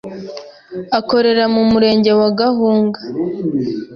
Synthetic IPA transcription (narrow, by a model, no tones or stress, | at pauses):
ako̞ɾe̞ɾamumuɾe̞ːɲɟe̞waɡaɦuːŋɡḁ